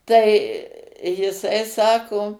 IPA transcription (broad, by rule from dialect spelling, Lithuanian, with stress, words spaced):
ˈtɐɪ jɪˈsɐɪ ˈsɑːkoː